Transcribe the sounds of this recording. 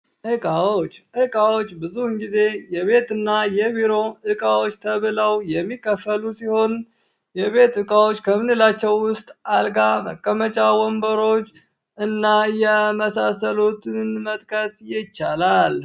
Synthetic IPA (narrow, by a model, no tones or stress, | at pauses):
ʔɨkʼawot͡ʃːʔɨkʼawo̞t͡ʃːbɨzuhɨŋɡize̞jɛβe̞t̪ɨnːajɛβiɾo̞ɨkʼawo̞t͡ʃːt̪ʰəβɨləwjɛmːikːəfəlusiho̞n | jɛβe̞t̪ɨkʼawo̞t͡ʃːkʰəmɨnɨlat͡ʃːɛwːʊst̪ʼalɡaməkʼːəmət͡ʃʼawɔmbəɾo̞t͡ʃː | ɨnːajɛməsasəlot̪ʰɨnmət̪ʼkʼəsjɪt͡ʃːalal